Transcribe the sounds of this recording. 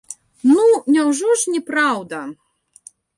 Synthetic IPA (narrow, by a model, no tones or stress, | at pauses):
nunʲawʐɔʂnʲɛpɾawd̪ɐ